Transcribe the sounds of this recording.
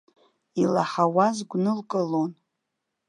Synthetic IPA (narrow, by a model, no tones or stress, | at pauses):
ilaħawazɡʷnɨlkʼɨlon